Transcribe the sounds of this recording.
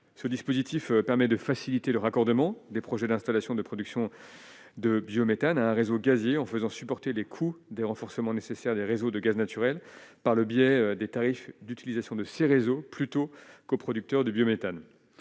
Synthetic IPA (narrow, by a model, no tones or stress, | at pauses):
səd̪ispozit̪ifpɛʁmɛd̪əfasilit̪eləʁakɔʁd̪əmɑ̃d̪epχɔʒɛd̪ɛ̃st̪alasjɔ̃d̪əpχɔd̪yksjɔ̃ | d̪əbjomet̪anaɛ̃ʁezoɡazjeɑ̃fəzɑ̃sypɔʁt̪elekʰud̪eʁɑ̃fɔʁsəmɑ̃nesesɛʁd̪eʁezod̪əɡaznat̪yʁɛlpaʁləbjɛd̪et̪aʁifd̪yt̪ilizasjɔ̃d̪əseʁezoplyt̪okopχɔd̪yk̚t̪œʁd̪əbjomet̪an